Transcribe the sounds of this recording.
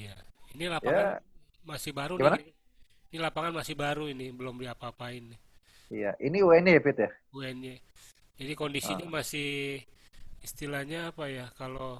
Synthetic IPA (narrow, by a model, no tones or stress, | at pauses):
jainilapaaanmasɪhbaɾuiman | inilapaŋanmasɪhbaɾuinibəlomdiapaːpaini | ijaʔiniuɛnɛpit̪jauɛnɲa | d͡ʒadikondisiɲamasɪh | ist̪ilahɲaːpajakalo